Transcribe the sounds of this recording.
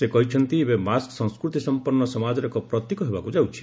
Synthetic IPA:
sekɔɦit͡ʃʰɔnt̪iebemasksɔ̃ŋskɾut̪isɔmpɔnːɔsɔmad͡ʒɔɾɔkɔpɾɔt̪jikɔɦebakud͡ʒawt͡ʃʰi̥

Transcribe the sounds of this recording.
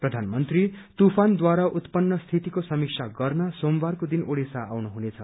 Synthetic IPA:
prʌd̪ʱanmʌnt̪rit̪upʰand̪waɾaʔut̪pʌnːʌst̪ʰit̪ikosʌmik̚sʰaɡʌrnʌsombarkod̪inoɽesaːwnuɦunet͡sʰʌ

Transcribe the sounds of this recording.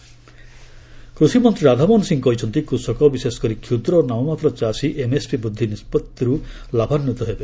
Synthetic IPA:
kɾusimɔnt̪ɾiɾad̪ʱamɔnsiŋkɔɦit͡ʃʰɔnt̪ikɾusɔkɔbisesɔ̥kɔɾikʰud̪ɾɔnamɔmat̪ɾɔt͡ʃasiʔemespibud̪ʱːinispɔt̪ːiɾu | labʱanːut̪ɔɦebe

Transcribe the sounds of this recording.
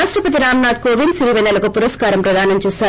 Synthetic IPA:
aːʃʈɾɐpɐt̪̬iɾaːmnaːd̪koːʋinsiɾiʋɐnːɐlɐkupuɾɐskaːɾɐmpɾɐd̪aːnɐmt͡ʃɛːsaː

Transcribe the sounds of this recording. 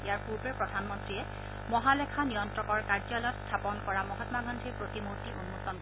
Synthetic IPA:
ijaɹpuɹpepɹɔdʱanmɔntɹiɛ | mɔɦalɛkʰanijɔntɹɔkɔɹkaɹd͡ʒɔlɔtstʰapɔnkɔɹamɔɦatmaɡʱɔndʱiɹpɹotimutiʔunmotɔn

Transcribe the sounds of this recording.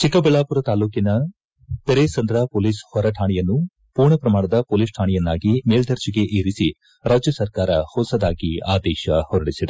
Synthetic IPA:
t͡ʃikɐbɛɭaːpuɾɐt̪aːluːkinɐ | t̪eɾesɐnd̪ɾɐpoːliːshɔɾɐʈʰaːɳijɐnːu | puːɾɳɐpɾɐmaːɳɐd̪ɐpoːliːsʈʰaːɳijɐnːaːɡimeːld̪ɐɾt͡ʃiɡe̞ʔeːɾisi | ɾaːd͡ʒjɐsɐɾkaːɾɐhɔːsɐd̪aːɡiaːd̪ɛːʃɐhɔɾɐɽisid̪e

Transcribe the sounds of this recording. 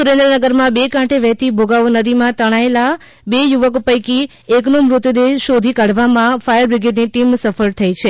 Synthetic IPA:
suɾẽnd̪ɾənəɡəɾmãbekãʈʰeʋɛɦt̪ibʱoɡaʋonəd̪imãt̪əɽ̃aela | bejuʋəkpəjki | eknomɾʊt̪d̪eʃod̪ʱikaɽ̤ʋamãfajəɾbɾɪɡeʈniʈimsəfəɾt̪ʰəit͡ʃʰe

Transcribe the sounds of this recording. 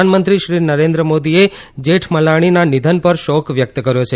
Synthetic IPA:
anmənt̪ɾiʃɾinəɾẽnd̪ɾəmod̪ie | d͡ʒeʈʰməlaɽ̃inanid̪ʱənpəɾʃɔkʋjək̚t̪kəɾjot͡ʃʰe

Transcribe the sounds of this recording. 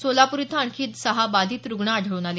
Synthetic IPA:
solapuɾit̪ʰaɳkʰiːt̪səɦabalʱiːt̪ɾuɡɳaːɖ̤ʱəɭuːnale

